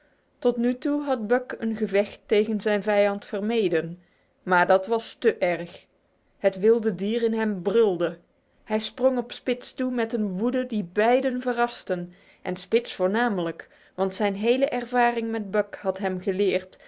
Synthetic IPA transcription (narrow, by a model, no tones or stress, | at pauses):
tɔtnytuɦɑt̚bœkənχəvɛxtːejχənzɛjnvɛjɑntfərmejdən | maːɹdɑtʋɑstəʔɛɹχ | ɦətʋɪlˠdədiːrɪnɦɛmbrʏlˠdə | ɦɛjsproŋɔpspɪtstumɛtənʋudədibɛjdənvərɑstən | ʔɛnspɪtsfʊːɹnaːmələk | ʋɑntsɛjnɦejləʔɛrvaːrɪŋmɛd̚bœkhɑtɦɛmχəlɪːɹt